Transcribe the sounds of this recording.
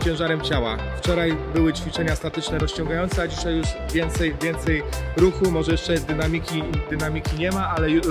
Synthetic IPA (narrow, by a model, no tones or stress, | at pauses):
t͡ɕɛ̃w̃ʐaɾɛmt͡ɕawa̰ | ft͡ʂɔɾajbɘwɘt͡ɕfʲit͡ʂɛɲast̪at̪ɘt͡ʂnɛɾɔst͡ɕɔ̃ŋɡajɔnt̪sɛad͡ʑiɕajːuʂvʲjɛnt̪sɛjvʲjɛnt̪sɛjɾuxumɔʐɛjɛʂt͡ʂɛd̪ɘnamʲikʲid̪ɘnamʲikʲiɲɛmaalɛ